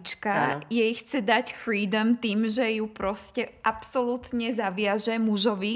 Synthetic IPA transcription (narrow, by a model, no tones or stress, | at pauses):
t͡ʃkajɛjxt͡sɛd̪acfɾiːd̪ɔmt̪iːmʒɛjupɾɔscɛʔapsɔlut̪ɲɛzaʋɪaʒɛmuʒɔʋi